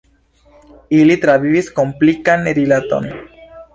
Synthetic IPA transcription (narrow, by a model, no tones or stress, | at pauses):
ilit̪ɾavivisko̞mplikanɾilat̪o̞̰n